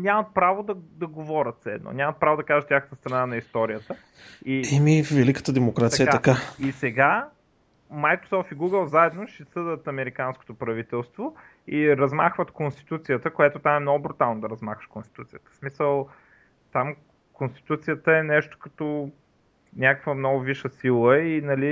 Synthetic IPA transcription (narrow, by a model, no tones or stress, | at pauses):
nʲamɐt̪̚pɾavod̪ɐd̪ɐɡovɔɾʲət̪sɛ̰d̪no̰nʲamɐt̪̚pɾavod̪ɐkaʒət̪t̪ʲaxət̪əst̪ɾɐnanɐist̪ɔɾijət̪ə | iɛmivɛlikə̥t̪əd̪ɛmokɾat̪siəkat̪ːkaisɛɡa | majkɾo̥sɔft̪iɡuɡəlˠzaɛd̪noʃɛsɤd̪ət̪ɐmɛɾikansko̥t̪opɾɐvit̪ɛlˠst̪vo | iɾɐzma̰xvət̪konst̪i̥t̪ut̪sijət̪əkojɛt̪ot̪amɛmnɔɡʊbɾut̪alˠnod̪ɐɾɐzmaxvə̥ʃkonst̪i̥t̪ut̪sijət̪ə̥smisəlˠ | t̪am | konst̪i̥t̪ut̪sijət̪əɛnɛʃt̪o̥kɐt̪ɔ | nʲakəkvəmnɔɡʊviʃəsilˠəinɐli